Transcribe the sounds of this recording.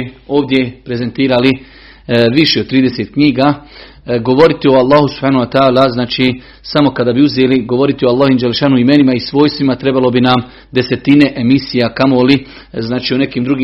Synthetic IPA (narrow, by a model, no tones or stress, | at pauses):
o̞ːʋd̪je̞pɾe̞ze̞nt̪iːɾali | ʋiʃeod̪̚t̪ːɾiːd̪eset̪̚kɲiːɡaː | ɡo̞ʋo̞ɾit̪io̞alˠːaːhusub̥haːnuwat̪aːlaznaːt͡ʃiː | samo̞kad̪abiuzeːliɡo̞ʋo̞ɾit̪ioalˠːaːɦoiːmd͡ʒalːeʃaːnuimenimaisʋo̞ːjst̪ʋimat̪ɾe̞balo̞binam | d̪e̞se̞t̪ine̞ʔemisijakamoli | znaːt͡ʃiːone̞kiːmd̪ɾuɡiː